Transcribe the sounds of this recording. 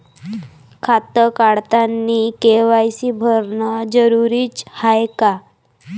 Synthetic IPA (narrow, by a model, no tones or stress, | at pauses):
kʰat̪əkaɽt̪anːikeʋajsibʱəɾnəd͡zəɾuɾiːt͡shajka